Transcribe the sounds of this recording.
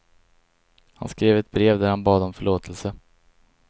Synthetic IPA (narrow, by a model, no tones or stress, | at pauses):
ha̰nskɾeːvɛt̪̚bɾeːvd̪æɾhanbɑːd̪ɔmfœɭoːt̪ʰəlsə